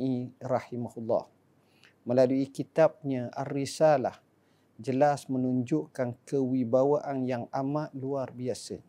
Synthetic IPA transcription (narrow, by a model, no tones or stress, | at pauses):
ʔirɑhimahulːɑ̰h | məlaluikit̪ap̚ɲə̃ʔarisala̰h | d͡ʒəlasmənuɲd͡ʒʊʔkankəwibawaʔanjaŋamaʔ̪̚luarbiasə